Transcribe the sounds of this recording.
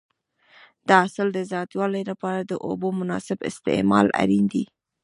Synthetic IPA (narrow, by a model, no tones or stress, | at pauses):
d̪̥ɑasəld̪əzɑt̪wɑlajlapɑɾad̪əʔo̰bomʊnɑsɪbɪ̰st̪ɪ̰mɑ̰la̰ɾind̪i